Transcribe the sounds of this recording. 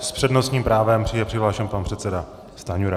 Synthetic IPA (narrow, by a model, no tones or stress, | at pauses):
spr̝̥ɛdnost̪ɲiːmpɾaːvɛmpr̥ɪjɛpr̥ɪɦlaːʃɛmpanpr̥ɛt̪sɛda | st̪aːɲuɾa